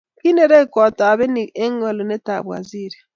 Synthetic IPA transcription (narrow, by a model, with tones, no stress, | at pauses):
ki˦ne˦ɾe˦kɔ˨ta˨βe˦ni˨e˦ŋɔ˨lɔ˨ne˦ta˨bwa̰˨zi˦˨ɾi˨